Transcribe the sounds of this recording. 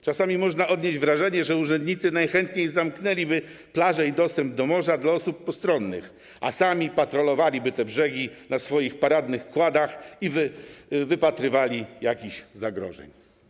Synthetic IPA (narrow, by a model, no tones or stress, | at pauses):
t͡ʂasamʲimɔʐnaɔd̪ɲed͡ʑvɾaʐɛɲɛʐɛuʐɛnd̪ɲit̪sɘnajxɛnt̪ɲejzamknɛlʲibɘplaʐɛid̪ɔst̪ɛmb̚d̪ɔmɔʐad̪laɔsup̚ːɔst̪ɾɔnːɘ̰x | ʔa̰samʲipat̪ɾɔlɔvalʲibɘt̪ɛbʐɛɡʲinasfɔjixpaɾad̪nɘxkwad̪axivvɘpat̪ɾɘvalʲijakʲiɕzaɡɾɔ̰ʐɛ̰ɲ